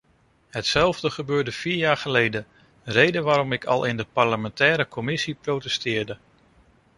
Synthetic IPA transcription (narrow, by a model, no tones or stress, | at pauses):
ɦətsɛlˠvdəχəbøːɹdəv̥iːɹjaːɹχəlejdə | rejdənʋaːɾɔmɪkʰɑ̰lˠʔɪndəpɑɹləmɛntɛːɾəkʰɔmɪsiprowtɛstɪːɹdə